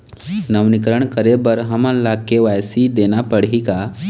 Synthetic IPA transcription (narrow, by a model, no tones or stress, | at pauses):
nəʋnikəɾəɳkəɾebəɾɦəmãnlakeʋajsid̪enapəɽika